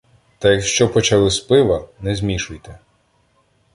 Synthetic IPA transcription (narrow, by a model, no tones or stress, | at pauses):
t̪ɐjɐkʃt͡ʃɔpɔt͡ʃɐlˠɪspɪʋɐnɛzʲmʲiʃʊjt̪ɛ